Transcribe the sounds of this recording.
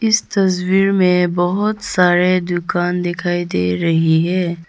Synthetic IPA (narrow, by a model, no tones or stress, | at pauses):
ɪst̪ɐswiːɾmẽbɐɦʊt̪saːɾed̪ʊkaːnd̪ɪkʰaːid̪ḛːɾɐɦiɦɛː